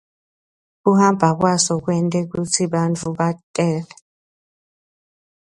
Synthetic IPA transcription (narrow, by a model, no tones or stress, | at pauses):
k̬uhambʱak̬wasɔk̬wɛntʼɛk̬ut͡sʰiɓant͡fʰuɓatʼɛːlɛ